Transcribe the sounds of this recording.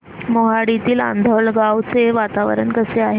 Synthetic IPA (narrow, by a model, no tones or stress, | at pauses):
moɦaɽit̪iːla̰nd̪ʱəɭɡaʋt͡seʋat̪aʋə̰ɾə̰ɳkəseaɦe